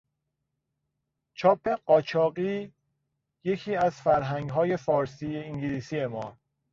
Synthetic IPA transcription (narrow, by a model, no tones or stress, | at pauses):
t͡ʃʰɒːpʰːe̞ɢɒːt͡ʃʰɒːɢiː | je̞cʰiːæzfæɾɦæŋɡɦɒːje̞fɒːɾsiːjeiŋɟiliːsije̞mɒː